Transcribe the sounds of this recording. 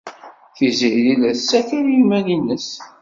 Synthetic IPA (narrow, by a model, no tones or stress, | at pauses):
θizililæθsːækəɾjimːælinːəs